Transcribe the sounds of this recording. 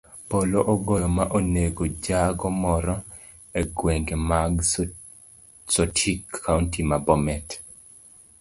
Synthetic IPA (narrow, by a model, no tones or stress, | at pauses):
poloʔoɡɔjɔmaʔoneɡod͡ʒaɡɔmɔɾɔ | eɡweŋɡemaɡ | sɔtʰikʰːauntimabɔmɛt